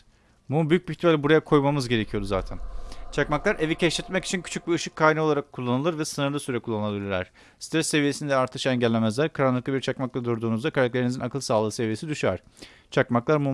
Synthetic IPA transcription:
bunubyjyc̚biɾt̪ʰivalʲbuɾajakʰo̞jmamɯzɟe̞ɾe̞cʰijo̞ɾuzaːt̪ʰænt͡ʃʰakmaklˠaɾʔe̞vicʰɛʃt̪ɛt̪̚mɛci̥t͡ʃʰincʰy̥t͡ʃʰyc̚biɯʃɯkʰːaːjinɛo̞lˠaɾakʰːulˠːanɯlˠɯɾvɛsɯnɯɾlˠɯsyɾɛkʰulˠːanˠbilʲiɾʲæ̰ɾ̥ | st̪ɾɛsːe̞vije̞sinid̪ɛaɾt̪ʰɯʃɛɲɟɛlʲːe̞mɛzlʲæɾkʰaɾanlˠɯk̪abiɾt͡ʃʰakmaklˠad̪uɾd̪uːnuzd̪akʰaɾak̚t̪ʰe̞ɾinizinakʰɯlˠsaːlˠɯːse̞vijesid̪yʃaɾ̥ | t͡ʃʰakmaklˠaɾmu

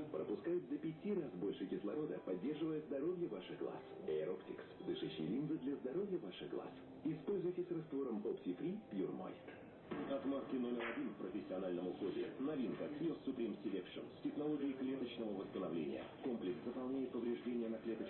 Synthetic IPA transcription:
pɾə̰pʊskajʊt̪d̪əpʲɪtʲirazbo̞lʲʂɨkʲɪslˠɐ̰ɾo̞d̪əpɐdʲːe̞rʐɨvəjəzd̪ɐɾo̞vʲjəvaʂɨɣɡlˠa̰sɛɾoptʲɪ̰ksd̪ɨʂɨɕːɪ̰jlʲind̪zɨd̪lʲɐzd̪ɐɾo̞vʲjəvaʂɨɣɡlˠa̰s | ɪspo̞lʲzʊjɪtʲɪsʲrɐst̪vo̞ɾəmopt̪ʲɪfɾʲipjurmo̰jʲt̪ | ɐt̪maskʲɪno̞mʲɪɾɐdʲinfpɾəfʲɪsʲːɪɐnalʲnəmʊxodʲɪ̰nɐvʲinkəksʲjosʲʊpɾʲimsʲɪlʲekʂɨ̰nsʲtʲɪxnɐlˠo̞ɡʲɪɪklʲe̞t̪ət͡ɕnəvəvəst̪ənɐvlʲḛnʲɪ̰jə̰ko̞mplʲɪkszəpɐlˠnʲæjɪt̪̚pəvɾʲɪʐdʲenʲɪjənɐklʲet̪ət͡ɕ

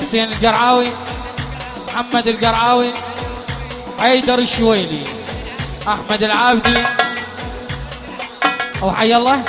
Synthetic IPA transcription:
sˤiːnɪlɡɑɾˤʕaːwi | mħamːad̪ɪlɡɑɾˤʕaːwi | had̪ɑɾˤɪʃwajli | ʔaħmad̪ɪlʕaːbd̪i | wħajːalˤːɑ

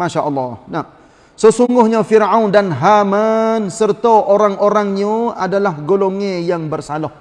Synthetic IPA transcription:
maʃaʔəlːɑhnam | səsuŋɡʊhɲafirawndanɦamansərt̪aʔoɾaŋʔoɾaŋɲuadalahɡoloŋẽjaŋbərsalɔh

